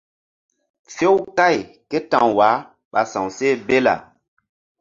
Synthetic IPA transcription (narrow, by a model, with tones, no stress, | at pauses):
fe˦wka˦˨j | ke˦tã˨ŋwa˨˦ | ɓa˨sã˨wse˦be˦la̰˨